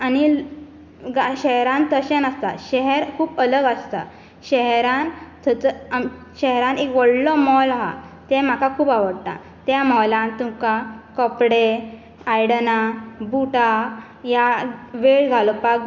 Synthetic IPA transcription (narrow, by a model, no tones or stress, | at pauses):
ani | ɡaɕɛɦɾãnt̪əɕɛnəst̪a̰ɕɛɦɛɾkʰuːpələɡəst̪a̰ | ɕɛɦɾãnt̪ʰət͡sə | ɕɛɦɾãnekʋɔɽlɔmɔlaɦa̰t̪ɛ̃m̤akakʰuːpaʋəɽt̪a̰ | t̪jamɔlãnt̪umkakɔpɽe | ajɽnabuʈa | jaʋeɭɡʱalɔpaɡ